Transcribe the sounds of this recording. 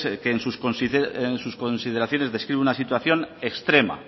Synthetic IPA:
keːnsuskonsieensusko̞nsið̞eɾaθjo̞ne̞zðe̞skɾiβunasit̪waθjo̞ne̞kst̪ɾe̞ma̰

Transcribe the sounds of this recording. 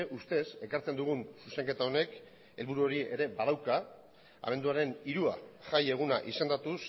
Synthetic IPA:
ʔust̪e̞se̞kaɾt͡se̞nd̪uɣ̞unsuse̞ŋke̞t̪ao̞ne̞k | e̞lβuɾuo̞ɾie̞ɾe̞baɾawka | a̰me̞nd̪uaɾe̞niɾua̰ʝaje̞ɣ̞unaʔise̞nd̪at̪us

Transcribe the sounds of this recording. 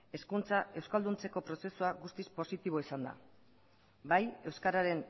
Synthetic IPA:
e̞skunt͡sae̞wskald̪unt͡se̞ko̞pɾo̞se̞suaɣust̪ispo̞sit̪iβ̞o̞isand̪a̰ | baje̞wskaɾaɾe̞n

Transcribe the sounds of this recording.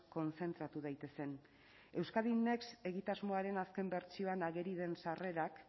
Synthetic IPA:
ko̞nt͡se̞nt̪ɾat̪uð̞ajt̪e̞se̞n | e̞wskaðine̞kse̞ɣit̪azmo̞aɾe̞naske̞mbe̞ɾt͡sio̞anaɣe̞ɾið̞e̞nsare̞ɾak

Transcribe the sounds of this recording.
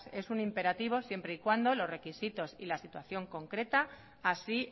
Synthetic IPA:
se̞sunimpe̞ɾat̪iβ̞osje̞mpɾeikwand̪o̞lo̞zre̞kisit̪o̞sḭlasit̪waθjo̞ŋko̞ŋkɾe̞t̪aː | si

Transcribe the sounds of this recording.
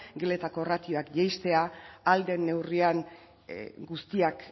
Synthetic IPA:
ɡe̞le̞t̪ako̞rat̪io̞akʝajst̪e̞aald̪e̞nːe̞wriaŋ | ɡust̪iak

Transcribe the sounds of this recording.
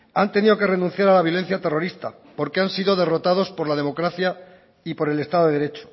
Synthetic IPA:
ant̪e̞niðo̞ke̞re̞nũn̟θjaɾalaβjo̞le̞n̟θjat̪e̞ro̞ɾist̪a̰ | po̞ɾkeansiðo̞ðe̞ro̞t̪aðo̞spo̞ɾlaðe̞mo̞kɾaθja | ipo̞ɾe̞le̞st̪aððe̞ðeɾe̞t͡ʃo̥

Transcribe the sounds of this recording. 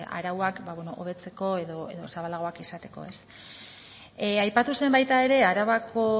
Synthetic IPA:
a̰ɾawakbaβwe̞no̞ʔo̰β̞e̞t͡se̞ko̞e̞ðo̞ḛðo̞saβalaɣ̞o̞akisat̪e̞ko̞̰e̞s | ajpat̪use̞mbajt̪ae̞ɾe̞aɾaβakʰo̞

